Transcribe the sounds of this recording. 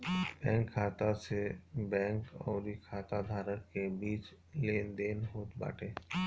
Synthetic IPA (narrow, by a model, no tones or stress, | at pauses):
b̥ɛ̃ːŋkʰːaːt̪asebɛ̃ːŋkɔ̰ːɾikʰaːt̪ad̪ʱaːɾəɾkebiːt͡ʃ | leːnd̪eːnɦoːt̪ba̰ːʈʰeː